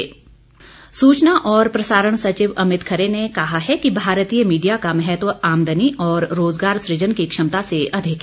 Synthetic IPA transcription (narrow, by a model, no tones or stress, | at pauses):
suːt͡ʃnaʔɔːɾpɾɐsaːɾəɽ̃sɐt͡ʃɪʋɐmɪt̪kʰəɾenekɐɦaɦɛkibʱaːɾt̪iːjəmiːɖijakamɛɦɛt̪ʋəaːmd̪ʱəniʔɔːɾːoːzɡaːɾsɾɪd͡ʒənkikʃɐmt̪aseɐd̪ʱɪk